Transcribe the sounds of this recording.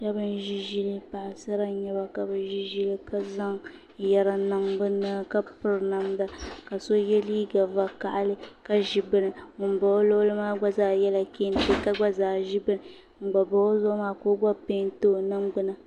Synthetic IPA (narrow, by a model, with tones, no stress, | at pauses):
ka˦bɨ˦nʒi˦ʒi˦lɨ˦pa˨ʔsɨ˦ɾa˦ɲɛ˦ba˨ka˨bɨ˨nʒi˦ʒi˦lɨ˦ka˦za˦ŋ | jɛ˨ɾa˨na˦mbɨ˦na˦ka˦pɨ˦˨ɾna˨mba˦ka˨so˦jɛ˦liː˦ɡa˨va˨ka˨ʔa˦lɨ˦ka˦ʒi˨bɨ˦nɨ˨mɨ˨m˨ba˨˦lo˦lɨ˦maː˦ɡ͡ba˦zaː˨jɛ˦la˨ke˦n˦te˦ka˦ɡ͡ba˦zaː˨ʒi˦bɨ˦nɨ˨ | m̩˨ɡ͡ba˨ba˨˦zo˦maː˦koː˦ɡ͡ba˦pe˦n˦to˦˨na˦mɡ͡bʊ˦na˨